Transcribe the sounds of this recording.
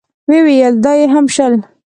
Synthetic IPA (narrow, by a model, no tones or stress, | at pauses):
wewijəld̪ɑjeɦamʃəl